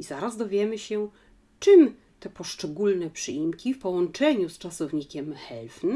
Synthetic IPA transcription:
ʔizaɾazd̪ɔvʲjɛmɘɕɛ | t͡ʂɘm | t̪ɛpɔʂt͡ʂɛɡulnɛpʂɘimkʲifpɔwɔnt͡ʂɛɲust͡ʂasɔvɲikʲɛmxɛlfn

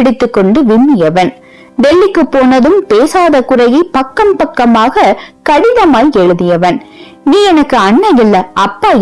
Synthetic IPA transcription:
ɪɽɪt̪ːɯkːɔɳɖɯʋɪmːɪjɐʋɐn | d̪ɛɭːɪkːɯpːoːnɐðɯmpeːsaːðɐkʊrɐjipɐkːɐmpɐkːɐmaːɣɐkɐɽɪðɐmaːjɛɻɯðɪjɐʋɐn | niːɛnɐkːɯɐnːɐjɪlːɐʔɐpːaː

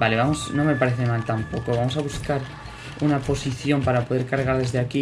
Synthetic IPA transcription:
baleβamosnõŋme̞paɾeθemalt̪ampokoβamosaβuskaɾ | unapo̞siθjo̞mpaɾapo̞ð̞eɾkaɾɣaɾð̞e̞zðeaki

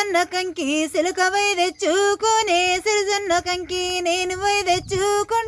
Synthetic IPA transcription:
nːɐkɐŋkisilukɐʋɐjd̪et͡ʃːukoːnesiɾzɐnːɐkɐŋkineːnuʋɐjd̪et͡ʃːukoɳ

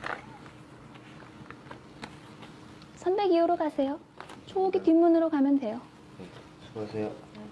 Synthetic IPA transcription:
sʰʌnbe̞ɡiuɾokasʰe̞jo | t͡ɕʰooɡitimːunɯɾokamjʌndwe̞jo | asʰejo

